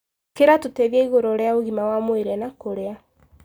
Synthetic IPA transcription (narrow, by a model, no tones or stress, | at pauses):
keɾatoteðjaiɣoɾoɾeaoɣimawamoeɾɛnakoɾea